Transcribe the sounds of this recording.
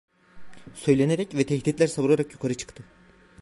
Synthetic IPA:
sø̞jlʲe̞neɾɛcvɛt̪ʰɛçd̪it̪lʲæɾsaβulˠaɾakjukʰaɾɯt͡ʃʰɯ̥kt̪ʰɯ

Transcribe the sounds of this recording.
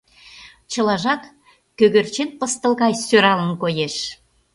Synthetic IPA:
t͡ɕə̆lɑʒɑk | køɣørt͡ɕenpə̆st̪ə̆lˠɣɑjsøɾɑlənkojeʃ

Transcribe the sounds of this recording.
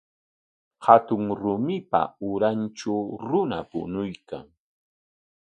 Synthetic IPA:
hat̪ʊŋɾʊmɪpa̰ʊɾanʈ͡ʂt͡ʃawɾʊnapʊ̰nʊjka̰ŋ

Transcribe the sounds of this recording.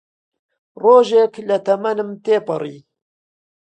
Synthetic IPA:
roːʒeːklɐt̪ɐmɐnɨmt̪eːpɨriː

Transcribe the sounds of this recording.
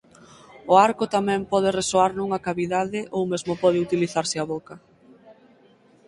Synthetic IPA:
ʊaɾkʊt̪amɛ̃mpɔð̞ɪresoaɾnũŋɐkaβiðaðɪʔowmezmʊpɔðɪut̪iliθaɾsɪaβokɐ

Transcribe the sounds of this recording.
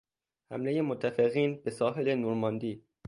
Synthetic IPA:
hæ̰mleje̞mot̪ʰːæfeɣiːnbesɒːɦe̞le̞nuːɾmɒnd̪iː

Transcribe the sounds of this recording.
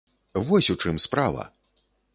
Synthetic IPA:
vɔsʲut͡ʂɨmspɾavɐ̰

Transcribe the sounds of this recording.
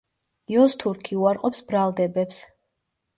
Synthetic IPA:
jɔst̪ʰuɾkʰiuaɾqʼɔpsbɾalˠd̪ɛbɛps

